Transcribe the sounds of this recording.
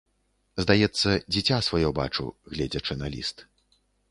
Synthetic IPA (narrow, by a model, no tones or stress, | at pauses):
zd̪ajɛt̪sːɐd͡zʲit͡sʲasvajɔba̰t͡ʂṵɣlʲɛd͡zʲɐt͡ʂɨnalʲḭst̪